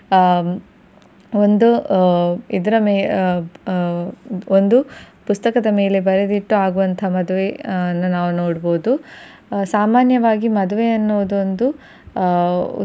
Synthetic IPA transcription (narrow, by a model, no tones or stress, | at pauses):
ond̪u | id̪ɐɾɐmeː | ond̪upust̪ɐkɐd̪ɐme̞ːle̞bɐɾed̪iʈːuaːɡuʋɐnt̪ʰɐmɐd̪uʋenːunaːʋuno̞ːɽbo̞ːd̪u | saːmaːnjɐʋaːɡimɐd̪uʋeɐnːuʋɐd̪ond̪u